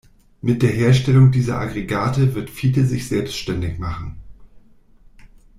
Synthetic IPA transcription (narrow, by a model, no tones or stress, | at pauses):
mɪt̚d̥eːɐɦeːɐʃtɛlʊŋdiːzɐ̰ʔa̰ɡʁeɡaːtəvɪɐtfiːdəzɪçz̥ɛlpstʃtɛndɪçmaχn̩